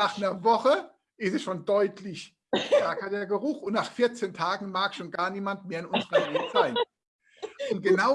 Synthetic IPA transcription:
naːχnɐɐvɔχə | ʔɪstɛsʃoːndɔʏtʰlɪç | tɛɐkɐd̥eːɐɡəʁʊχʊntnaːχfɪɐt͡seːntʰaːɡŋ̩maːkʃoːnɡ̥aːɐniːmantmeːɐɪnʊnzəʁɐlɛːz̥aɪn | ʔʊnt̚ɡ̥əna

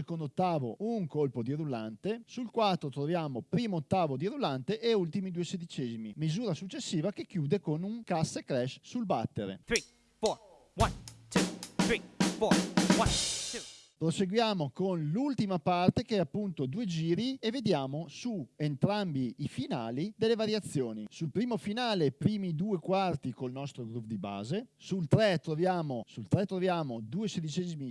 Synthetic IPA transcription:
ekond̪ot̪ːaːvo̰ʔuŋkolpod̪iɾulant̪esulkwat̪ːɾot̪ɾovjaːmopɾiːmoot̪ːaːvod̪iɾulant̪eʔeult̪imid̪uesed̪it͡ʃɛːzimḭmizuːɾasut͡ʃːesːiːvakekːjuːd̪ekonuŋkasekɾɛʃsulbat̪ːeɾḛt̪ɾi | fɔ | want̪ut̪ɾifɔwat̪pɾoseɡwjaːmokonlult̪imapart̪ekeɛapːunt̪od̪uːed͡ʒiːɾievːed̪jaːmosuent̪ɾambiifinaːlid̪elːevaɾjat̪sːjoːnisulpɾiːmofinaːlepɾiːmid̪uːekwart̪ikolnɔst̪ɾoɡɾupd̪iba̰ːzesult̪ɾɛt̪ɾovjaːmosult̪ɾɛt̪ːɾovjaːmod̪uːesed̪it͡ʃɛzimi

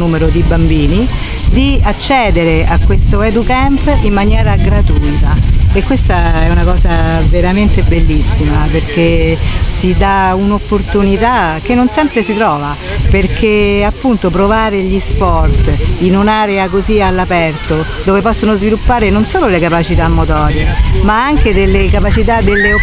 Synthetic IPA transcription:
nuːmeɾod̪ibambiːni | d̪iat͡ʃːɛːd̪eɾeʔakwest̪oɛd̪ukɛmpimːanjɛːɾaɡɾat̪uit̪aekːwest̪aɛunakɔːzaveɾament̪ebelːisːimaperkesid̪aunopːort̪unit̪akenːonsɛmpɾesit̪ɾɔːva | perkʰeapːunt̪opɾovaːɾeʎispɔrt̪inunaːɾeakozialːapɛrt̪o | d̪oːvepɔsːonozvilupːaːɾenonsoːlolekapat͡ʃit̪amːot̪ɔːɾemaaŋked̪elːekapat͡ʃit̪ad̪elːeo

